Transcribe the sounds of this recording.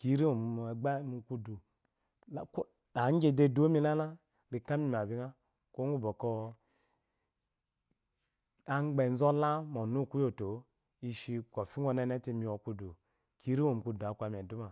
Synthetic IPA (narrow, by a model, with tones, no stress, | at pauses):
ki˨˦ɾi˦o˨m˨ɡ͡ba˦mu˨ku˦du˨˦ | k | a˨˦d͡ʒe˦de˦do˦mi˦la˦la˦ | ɾi˨ka˦mi˦˨m˨a˨bi˦ŋa˦ | ko˦ŋ˦u˦bo˨kɔ˦ | a˨ŋ͡mɡ͡be˨n˦zɔ˦la˦mɔ˨nu˦˨ku˦jo˨to˨˦ | i˦ʃi˦ko˨fi˦ŋ˦o˦nɛ˦nɛ˦ti˦mi˨o˨ku˦du˨ | ki˨˦ɾi˦o˨m˨ku˨du˨a˨kʷa˨m˨ɛ˨du˦ma˨